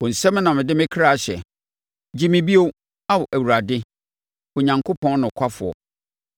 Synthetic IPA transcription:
wɔ˨n̩˨sɛ̃˦m̃˦nã˨mɪ̃˨dɪ˦mɪ̃˦kʰa˦˨ɕɛ̰˨ | d͡ʑi˦mɪ̃˦bi˦o˦ | a˦wɔ˨ʔæ˨wu˨ɾa˨dɪ˦ | ɔ˨ɲã˨ŋkʰo˦pʰɔ̃˦nnʊ̃˨kʷʰa˦fʊ˨ɔ̰˨

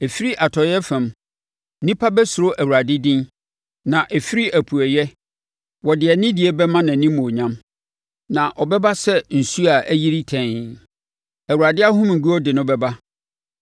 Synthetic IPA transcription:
ɛ˨fi˦ɾi˦ʔa˨tʰɔ˨jɛ˦fɛ̃˨m˦ | nĩ˦pʰa˦bɛ˦sʊ˨ɾʊ˦ʔæ˨wu˨ɾa˨dɪ˦dĩ˦n | nã˨ʔɛ˨fi˦ɾi˦ʔæ˨pʰu˨æ˨jɛ˦ | wɔ˨dɪ˨ɛ˨nɪ̃˦dɪ˨ɛ˦bɛ˦mã˦nã˨nĩ˦mõ˨ɲã˦m | nã˨ʔɔ˨bɛ˦ba˦sɛ˦n̩˨su˦a˨ʔæ˦ji˦ɾi˦tʰɛ̃˨n | æ˨wu˨ɾa˨dɪ˦a˦ɦʊ̃˦mŋ̩˨ɡu˦ɔ˦dɪ˨nʊ̃˦bɛ˦ba˦

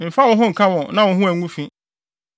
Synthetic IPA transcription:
m̩˨fa˦wɔ̃˨˦ɦʊ̃˦ŋ̩˨kʰã˦wɔ̃˨nã˦wʊ̃˨ɦũ˦æ˨ŋ˦ũ˦fĩ˦

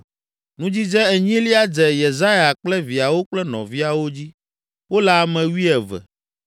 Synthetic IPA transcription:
nũ˦d͡ʑi˦d͡ʒɛ̃˦ɛ˨ɲĩ˦li˦a˦d͡ʒɛ˨je˨za˦ja˨k͡plɛ˦vi˨a˨wo˦k͡plɛ˦nɔ̰̃˨vi˦a˨wo˦d͡ʑi˦ | wo˦la˦˨mɛ̃˨wi˦ɛ˨vɛ̰˨

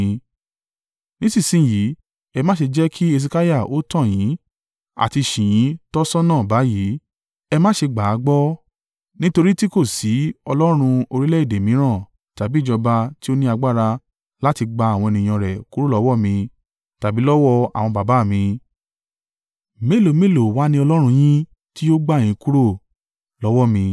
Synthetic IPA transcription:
nĩ˦sĩ˦˨sĩ˦˨jiː˨˦ | ɛ˧mã˦ʃe˧d͡ʒɛ˦kʰi˦e˧s̬i˧ka˦ja˦˨o˦tã˦˨j̃ĩ˨˦ | a̰˦˨ti˧ʃĩ˨j̃ĩ˨˦tɔ˦sɔ˦nã˦˨ba˨˦ji˨˦ | ɛ˧mãː˦ʃe˧ɡ͡ba˨˦ɡ͡bɔ˦ | nĩ˦to˧ɾi˦ti˦ko˦˨si˨˦ɔ˧lɔ˦ɾ̃ũ˧o˧ɾi˦lɛ˦i˦˨de˨mĩ˨˦ɾ̃ã˦˨ | ta˨bi˦d͡ʒɔ˧ba˧ti˦o˦nĩ˦a˧ɡ͡ba˦ɾa˧ | la˦ti˧ɡ͡ba˧˦a˨w̃ɔ̃˧e˧nĩ˧j̃ɔ̃˧ɾɛ˨ku˦ɾo˦lɔ˨˦wɔ˦˨mĩ˧ | ta˨bi˨˦lɔ˦wɔ˦a˨w̃ɔ̃˧ba˨ba˨˦˨mĩ˧ | me˦˨lo˨me˦˨lo˨wa˨˦nĩ˧ɔ˧lɔ˦ɾ̃ũ˧j̃ĩ˦ | ti˦jo˦ɡ͡ba˦˨j̃ĩ˨˦ku˦ɾo˦˨ | lɔ˨˦wɔ˦˨mĩ˧

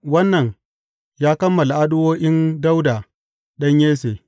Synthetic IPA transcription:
wɐ˦nːɐ˨ɲ | jaː˦kɐ˦mːɐ˨la˨ʔa˦ɗʊ˦woː˦ʔɪ˦nda˦wdaː˨ | ɗɐ˦ɲjeː˦seː˨

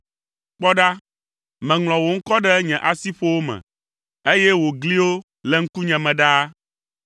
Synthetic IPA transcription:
k͡pɔ˦ɖa˦ | mɛ̃˨ŋlɔ̃˨wo˨ŋ̩˦kɔ˦ɖɛ˦ɲɛ̃˨ʔa˨si˦ɸo˦wo˦mɛ̰̃˨ | e˦jɛ˦wo˨ɡli˦wo˦ | lɛ˨ŋ̩˦ku˦ɲɛ̃˨mɛ̃˨ɖa˦

